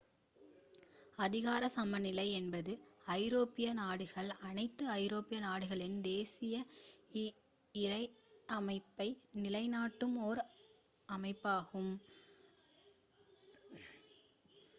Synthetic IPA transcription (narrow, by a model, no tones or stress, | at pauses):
ɐðɪɣaːɾɐsɐmɐnɪlɐɪɛnbɐðɯɐɪɾoːpɪjɐnaːɽɯɣɐɭɐnɐɪt̪ːɯɐɪɾoːpɪjɐnaːɽɯɣɐɭɪnd̪eːsɪjɐ | ɪɾɐɪʔɐmɐɪpːɐɪnɪlɐɪnaːʈːɯmoːɾ | ɐmɐɪpːaːɣɯm